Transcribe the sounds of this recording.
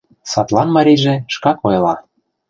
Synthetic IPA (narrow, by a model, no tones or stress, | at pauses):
sɑt̪lɑnmɑɾʲiʒĕʃkɑkojlɑ